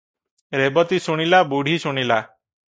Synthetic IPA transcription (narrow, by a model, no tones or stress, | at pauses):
ɾebɔt̪isuɽ̃ilabuɽ̤ʱisuɽ̃ila